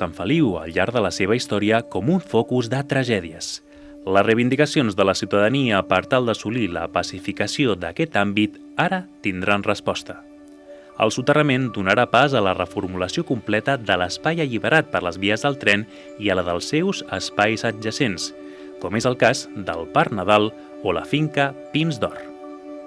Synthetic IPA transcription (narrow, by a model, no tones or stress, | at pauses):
əɱfəliwə̰lʎaɾðələseβ̞əist̪ɔɾiəkɔmuɱfɔkuzðət̪ɾəʒɛðiəs | ləzrejβind̪ikəsionzðələsiwt̪əðəniəpəɾt̪alˠd̪əsulilə̰pəsifikəsioðəkɛt̪ambit̪ | aɾət̪ind̪ɾanrəspɔst̪ə | ə̰lˠsut̪ərəmend̪unəɾapazələrəfuɾmuləsiokumplɛt̪əðələspajəʎiβəɾʔat̪̚pəɾləzβiəzðəlˠt̪ɾɛn | iələðəlˠsːewzəspajzəʒəsens | kɔmezəlˠkazd̪ə̰lˠpaɾnəð̞alˠ | olə̰fiŋkəpinzd̪ɔr